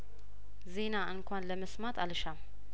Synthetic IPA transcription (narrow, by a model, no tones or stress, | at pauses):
zinaʔɨnkʰʷanlɐmɨsmat̪ʔalʃam